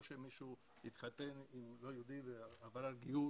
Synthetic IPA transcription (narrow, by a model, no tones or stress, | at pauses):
ʃemiʃu | it̪χat̪enimlojod̪iveavaɾalɡiu